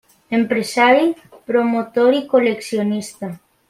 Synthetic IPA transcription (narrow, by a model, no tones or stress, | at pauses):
empɾesaɾji | pɾomot̪oɾikoleksjonist̪a